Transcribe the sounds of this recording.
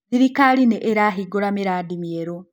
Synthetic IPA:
iɾikalineʔeɾaɦiɡoɾameɾaːdimieɾo

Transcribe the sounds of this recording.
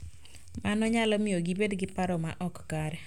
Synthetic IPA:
manɔɲalɔmɪjoɡibedɡɪpaɾɔmaʔɔkːaɾɛ

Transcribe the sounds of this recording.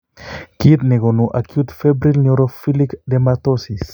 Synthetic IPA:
kit̪nɛɡonuʔakjut̪febɾilnuɾofilikd̪ɛmat̪osis

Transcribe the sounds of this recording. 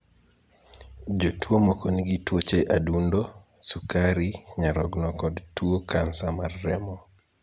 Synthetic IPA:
d͡ʒotuomokoniɡitwot͡ʃeʔadundo | sukaɾiɲaɾɔɡnɔkɔdtuokʰansamarːɛmɔ

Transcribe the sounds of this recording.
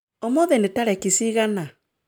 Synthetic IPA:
ɔmɔðɛnetaɾɛkisiɣana

